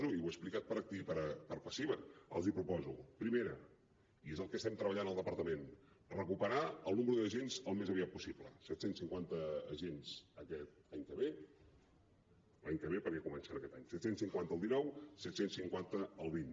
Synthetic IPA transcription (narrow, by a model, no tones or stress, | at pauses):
zuiwəsplikat̪̚pəɾək̚t̪ipəɾpəɾpəsiβəə̰lˠzipɾupɔzupɾimeɾə | iezəlˠkəst̪ɛmt̪ɾəβəʎanəlˠd̪əpəɾt̪əmen | rəkupəɾaəlˠnuməɾuðəʒenzəlˠmezəβiat̪̚pusiblə̰sɛt̪sensiŋkwant̪əːʒenz̥əkɛt̪̚aɲkəβe | laɲkəβepəɾkɛkumənsɛnəkɛt̪aɲsɛt̪sensiŋkwant̪əːlˠinɔwsɛt̪sensiŋkwant̪əːlˠβin